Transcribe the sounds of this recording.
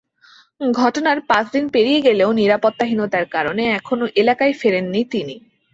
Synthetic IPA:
ɡʱɔʈonaɾpãt͡ɕʰd̪inpeɾijeɡeleoniɾapot̪ːaɦinot̪aɾkaɾoneɛkʰonoʔelakaefeɾenːit̪ini

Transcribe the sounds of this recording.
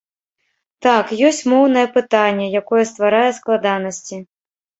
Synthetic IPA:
t̪akjɔsʲt͡sʲmɔwnɐjɛpɨt̪anʲːɛjakɔjɛst̪vaɾajɛsklˠad̪anɐsʲt͡sʲi

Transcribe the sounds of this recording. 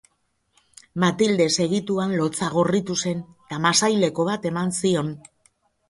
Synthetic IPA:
mat̪ild̪e̞se̞ɣit̪uanlo̞t͡saɣ̞o̞rit̪use̞n | t̪amasajle̞ko̞βat̪e̞mansio̞n

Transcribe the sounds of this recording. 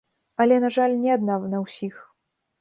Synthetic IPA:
ɐlʲɛnaʐalʲnʲɛad̪nawnɐwsʲix

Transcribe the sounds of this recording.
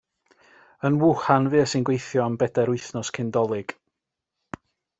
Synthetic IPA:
ənwʊhanvɨːəsɪnɡwejθjɔambɛdɛɾʊjθnɔskʰɪndɔlˠɨɡ̥

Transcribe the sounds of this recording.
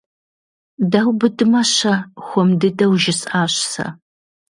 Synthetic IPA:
dawbɨdɨmɐɕɐxʷɔmdɨdɐwʒɪsʼaːɕsɐ̰

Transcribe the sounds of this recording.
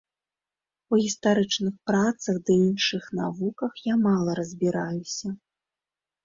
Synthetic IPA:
uɣʲist̪aɾɨt͡ʂnɨxpɾat̪sɐɣd̪ɨinʂɨxnavukɐxjamalˠɐɾɐzʲbʲiɾajusʲɐ

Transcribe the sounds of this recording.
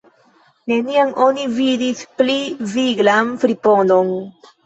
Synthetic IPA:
ne̞niaŋʔo̞nividispliviɡlanfɾipo̞no̞n

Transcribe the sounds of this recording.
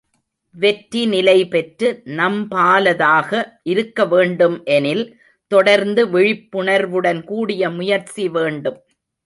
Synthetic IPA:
ʋɛʈɾinɪlɐɪpɛʈɾɯnɐmpaːlɐðaːɣɐʔɪɾɯkːɐʋeːɳɖɯmʔɛnɪl | t̪ɔɽɐɾnd̪ɯʋɪɻɪpːʊɳɐɾʋɯɽɐnkuːɽɪjɐmʊjɐɾt͡ʃiʋeːɳɖɯm

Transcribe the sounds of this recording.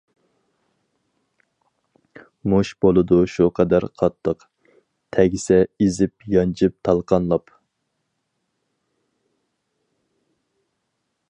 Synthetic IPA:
muʃb̥olˠɨd̪uʃuqʰɑd̪æɾqʰɑt̪ʰːəq | t̪ʰɛɡʲisɛizɪp̚jɑnt͡ʃʰɪp̚t̪ʰɑlˠqʰɑnlˠɑp

